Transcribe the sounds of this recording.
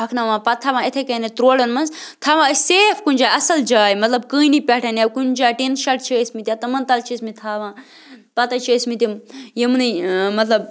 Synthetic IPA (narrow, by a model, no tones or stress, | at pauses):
ɐkʰnɐʋãːpɐt̪ʰːaːʋãːet̪ʰekɐnet̪ɾoːlɐnmɐnzt̪ʰaːʋãːəseːfkunʲd͡ʒaːjɐsɐld͡ʒaːjmɐt̪lɐb̚kɨːnipʲɛʈʰɐnewkund͡ʒaːjʈinʃɐʈ̚t͡ʃʰesmit̪ʲjat̪ɐmɐnt̪ɐlt͡ʃʰismit̪ʰaːʋãː | pɐt̪ɐt͡ʃʰismit̪imjimnɨmɐt̪lɐb